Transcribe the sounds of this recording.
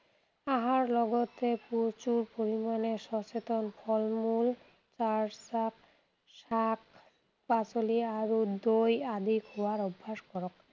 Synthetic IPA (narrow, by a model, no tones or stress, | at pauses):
aɦaɾlɔɡot̪epuɾt͡ɕuɾpoɾimaneʃɔt͡ɕet̪onfʰɔlmul | t͡ɕaɾsak̚ | ʃak | pat͡ɕoliaɾud̪ojad̪ikɦowaɾɔbʱːaʃkɔɾɔk̚